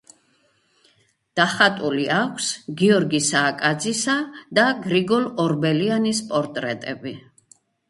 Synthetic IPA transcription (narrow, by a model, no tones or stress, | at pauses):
d̪̥aχat̪ʼuliakʷʰsɡiɔɾɡisaːkʼad̪zisad̪aɡɾiɡɔlɔɾbɛlianispʼɔɾt̪ʼɾɛt̪ʼɛbi